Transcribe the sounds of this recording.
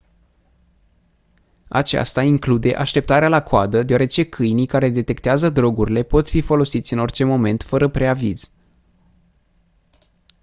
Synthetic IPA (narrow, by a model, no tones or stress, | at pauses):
a̰t͡ʃa̰st̪aiŋklud̪e̞ʔaʃt̪e̞p̚t̪aɾealakoad̪əd̪eoaɾe̞t͡ʃe̞kʰɨjnijkaɾe̞d̪e̞t̪e̞kt̪eazəd̪ɾo̞ɡuɾile̞po̞t̪fifo̞lo̞sit̪sʲɨno̞rt͡ʃe̞mo̞me̞nt̪fəɾəpɾe̞aviz̥